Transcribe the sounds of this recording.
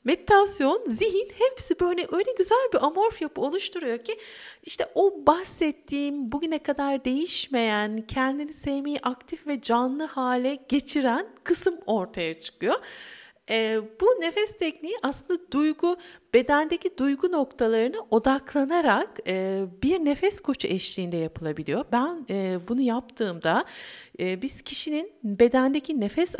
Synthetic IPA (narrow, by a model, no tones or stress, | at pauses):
med̪it̪ʰasjo̞nziɦinhɛpsibøjlʲɛʔø̞jlʲɛɟyzælʲbiʔamo̞ɾfjapʰɯo̞lˠuʃt̪ʰuɾujo̞cʰiiʃt̪ʰɛʔo̞bahsɛt̪ʰːiːmbuɟynɛkʰad̪aɾd̪e̞jiʃme̞jæncʰɛnd̪inisejmejiʔakt̪ʰifvɛd͡ʒanlˠɯhaːlʲɛɟ̥e̞t͡ʃʰiɾænkʰɯsɯmo̞ɾt̪ʰajat͡ʃʰɯ̥kʰɯjo | ɛbune̞fɛst̪ʰɛcnijiʔaslˠɯnd̪ad̪ujɡub̥e̞d̪ænd̪ecid̪ujɡuno̞kt̪ʰalˠaɾɯnɯʔo̞d̪aklˠanaɾakɯːbiɾne̞fɛskʰo̞t͡ʃʰuʔɛʃlʲiːnd̪ɛjapʰɯlˠabilʲijo̞bænɛːbunujap̚t̪ʰɯːmd̪aː | biz̥cʰiʃininbe̞d̪ænd̪ecʰinefɛs